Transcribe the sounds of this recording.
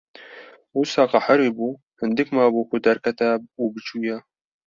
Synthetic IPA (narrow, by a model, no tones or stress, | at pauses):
usɑːqɑħəɾibuː | hɨnd̪ɨkmaːbuːkud̪ɐɾkɛt̪æuːbɨt͡ʃʰuːjɛ